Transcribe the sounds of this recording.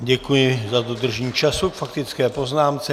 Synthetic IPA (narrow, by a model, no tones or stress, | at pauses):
ɟɛkujɪzad̪od̪r̩ʒɛɲiːt͡ʃasukfakt̪ɪt͡skɛːpo̞znaːmt͡sɛ